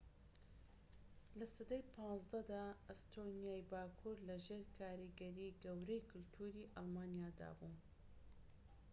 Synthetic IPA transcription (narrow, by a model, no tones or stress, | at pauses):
lɐsɐd̪ejpʰɑ̃ːzd̪ɐd̪aːɐst̪ʰonijaːjbaːkʰuɾlɐʒeːɾkʰaːɾiɡɐɾiːɡɐwɾejkʰɨlt̪ʰuːɾiʔɑlˠmaːnijaːd̪a̰ːbuː